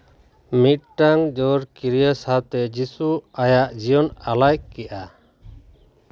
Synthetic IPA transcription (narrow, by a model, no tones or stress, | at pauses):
mit̪̚ʈaŋd͡ʒɔɾkiɾijəsat̪ɛd͡ʒisuajaʔd͡ʒijɔnalajkɛʔa